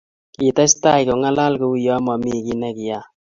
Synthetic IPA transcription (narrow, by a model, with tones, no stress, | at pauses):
ki˨ta˦sta˦jko˨ŋa˦la˦lku˨˦u˦jɔ˦mɔ˨mi˦˨ki˦nɛ˦ki˨ja˦˨